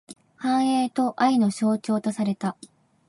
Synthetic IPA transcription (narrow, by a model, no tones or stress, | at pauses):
hãɰ̃eːt̪o̞ʔaino̞ɕo̞ːt͡ɕo̞ːt̪o̞saɾe̞t̪a